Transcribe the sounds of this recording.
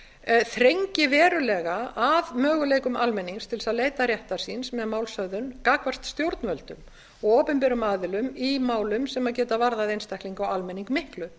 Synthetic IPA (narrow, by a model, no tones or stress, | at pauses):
θɾejɲcɪvɛːɾʏlɛɣaaðmœːɣʏlejkʏmʔalmɛnːiŋst̪ʰɪlsaðleːjt̪arjɛht̪asinsmɛðmaːwlsœðʏnkaːkvarst̪st̪jowɾt̪nvœlt̪ʏ̰m | ɔɣoːpɛmpɛɾʏmaːðɪlʏmimaːwlʏmsɛmaðcɛːt̪avaɾðaðejnst̪ahkliŋkawalmɛniŋkmɪhklʏ